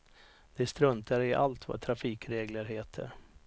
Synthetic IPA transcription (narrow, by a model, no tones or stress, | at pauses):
d̪̥ɛst̪ɾɵnt̪aɾɪʔa̰lt̪va̰t̪ʰɾafiːkɾeːɡləɾɦeːt̪ʰə̰ɾ